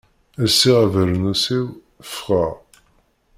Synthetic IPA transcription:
æsːiʁævəɾənusiw | fʁaʁ

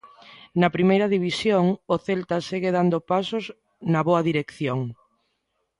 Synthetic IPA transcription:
nɐpɾimejɾɐðiβisjoŋoθelt̪ɐseɣeðand̪opasos | nɐβoɐðiɾekθjoŋ

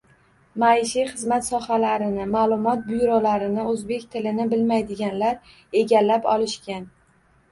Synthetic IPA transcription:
majʃiχɨzmat̪sɒhalaɾɪnɪmaːlˠʊmɒt̪̚bʊjɾɒlaɾɪnɪɵzbe̞kʲt̪ʰɪlɪnɪbɪlmajd̪ɪɡʲanlaɾ | e̞ɡʲalːapɒlɪʃkʲan

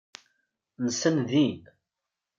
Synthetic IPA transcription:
nəsənðin

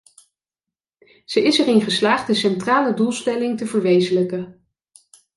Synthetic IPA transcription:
z̥əʔɪsɛɹɪnχəslaːχddəsɛntraːlədulˠstɛlɪŋtəvəɹʋejzələkə

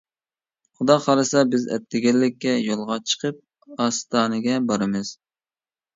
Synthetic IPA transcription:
χʊd̪ɑχʰɑɾɨsɑbɪzɛ̰t̪ʰːɪɡʲɛlːɪkʲːɛjolˠʁɑt͡ʃʰə̥qʰəp̚ | ɑst̪ɑːnɨɡʲɛbɑɾɨmɨz̥

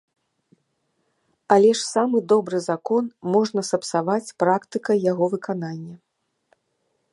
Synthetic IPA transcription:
alʲɛʂsamɨd̪ɔbɾɨzakɔnmɔʐnɐsɐpsavat͡sʲpɾakt̪ɨkɐjaɣɔvɨkananʲːɐ

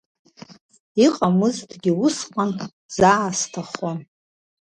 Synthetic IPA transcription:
iqʼamɨzdɡʲɪʊsqʼan | z̥aːstʰaχan

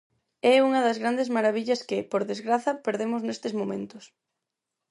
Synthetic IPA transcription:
ɛuŋɐðɐzɣɾand̪ezmaɾaβiʎɐskɪpoɾðezɣɾaθɐpeɾðemʊznest̪ɪzmõmẽnt̪ʊs

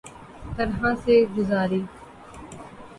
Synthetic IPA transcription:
t̪əɾɦãːseɡʊzaːɾiː

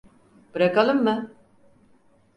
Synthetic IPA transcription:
b̥ɯɾakalˠɯmːɯ

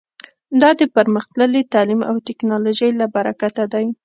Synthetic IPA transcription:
d̪ɑd̪əpəɾməxt̪ləlit̪ɑlima̰wt̪ɪknɑloʒəjlabaɾakat̪ad̪aj

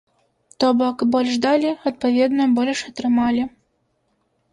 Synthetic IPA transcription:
t̪ɔbɔkbɔlʲʐd̪alʲiɐt̪̚pɐvʲɛd̪nɔbɔlʲʂɐt̪ɾɨmalʲi

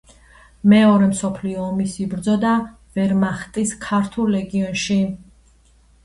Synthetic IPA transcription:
mɛɔɾɛmsɔpʰliɔːmisibɾd̪zɔd̪a | vɛɾmaχt̪ʼiskʰaɾt̪ʰulˠːɛɡiɔnʃi

